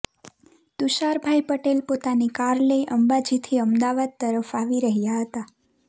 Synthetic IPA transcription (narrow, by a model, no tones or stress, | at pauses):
t̪uʃaɾbʱajpəʈelpot̪anikaɾləiʔəmbad͡ʒit̪ʰiəmd̪aʋad̪̚t̪əɾəfaʋiɾəɦjaɦət̪a